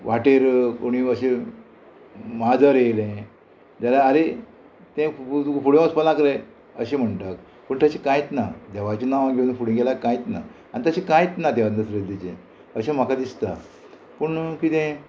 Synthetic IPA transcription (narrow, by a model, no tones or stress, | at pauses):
ʋaʈeɾkoɽ̃iəɕe | mad͡zaɾelẽ | d͡zalaːɾe | t̪ẽt̪ufuɽẽaspəlãkɾe | əɕem̤əɳʈak̚ | pəɳt̪əɕekãjt̪nad̪ɛʋat͡ɕenaʋaɡʱewunfuɽĩɡelakãjt̪na̰ | añit̪əɕekãjt̪nat̪ɛʋənd̪əsɾed̪it͡ɕẽ | əɕẽm̤akad̪ist̪a | pəɳkit̪ẽ